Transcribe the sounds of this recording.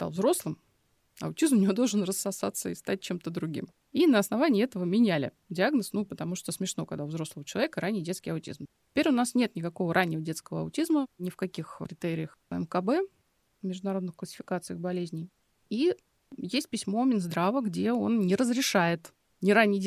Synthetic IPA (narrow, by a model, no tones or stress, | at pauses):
st̪a̰vzɾo̞slˠɨm | ɐ̰ʊtʲizmʊnʲɪvo̞d̪o̞lˠʐənrəsːɐsat̪sːəist̪at̚ʲt͡ɕemt̪əd̪ɾʊɡʲḭm | inəɐsnɐvanʲɪːɛt̪əvəmʲɪnʲælʲɪ̰ | dʲɪaɡnəsnupət̪ɐmuʂt̪osmʲɪʂno̞kɐɡd̪aʊvzɾo̞sləvət͡ɕɪlˠɐvʲekəɾanʲːɪjdʲet̪skʲɪjɐʊtʲḭzmtʲɪ̥pʲeɾʲʊnasnʲe̞t̪nʲɪkɐko̞vəɾʔanʲːɪvədʲe̞t̪skəvəɐ̰ʊtʲizmənʲɪfkɐkʲixɾʲɪt̪eɾʲɪjəxɛ̰mkɐbɛ | mʲɪʐd̪ʊnɐɾo̞d̪nɨxkləsʲɪ̥fʲɪ̥kat̪sɨjəɣbɐlʲezʲnʲɪj | i | jesʲt̚ʲpʲɪsʲmo̞mʲɪnzd̪ɾavəɡdʲe̞o̞nnʲɪɾəzɾʲɪʂajɪt̪ | nʲɪɾanʲːɪj